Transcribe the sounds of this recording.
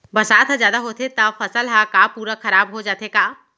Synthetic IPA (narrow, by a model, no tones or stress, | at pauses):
bɐsaːt̪ʰɦəzjaːd̪aɦoːt̪ʰet̪ɐfʰɐsəlɦakapuːɾakɐɾaːbɦod͡ʒaːt̪ekaː